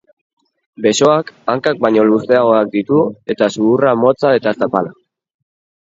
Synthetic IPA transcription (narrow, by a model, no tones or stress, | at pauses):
be̞so̞akaŋkak̚bajɲo̞luse̞aɣo̞ak̚d̪it̪ue̞t̪asuːramo̞t͡sae̞t̪asapala